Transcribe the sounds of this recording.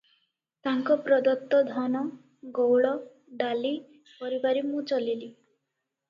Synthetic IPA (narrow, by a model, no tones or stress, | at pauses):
t̪aŋkɔpɾɔd̪ɔt̪ːɔd̪ʱɔnɔ | ɡowɭɔ | ɖali | pɔɾibaɾimũt͡ʃɔlili